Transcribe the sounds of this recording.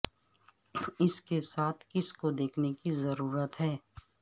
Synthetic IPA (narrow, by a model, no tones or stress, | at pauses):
ɪskesaːt̪ʰkɪskod̪eːkʰnekizɐɾuːɾət̪ɦɛː